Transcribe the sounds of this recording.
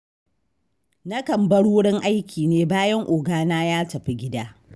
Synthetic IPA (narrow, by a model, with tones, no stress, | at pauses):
nɐ˦kɐ˨mbɐ˦ɽu˦ʊ˦ɽɪ˦ŋʔa˦jkʲʰiː˨neː˦baː˦jɐ˦ŋʔʊː˨ɡaː˦naː˦jaː˦tɐ˨ɸi˦ɡʲɪ˦daː˦